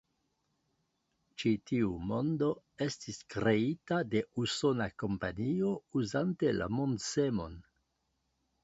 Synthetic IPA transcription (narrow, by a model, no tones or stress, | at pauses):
t͡ʃitiumo̞ndo̞ | e̞stiskɾe̞itade̞uso̞nako̞mpanio̞uzante̞la̰mondsemo̞̰n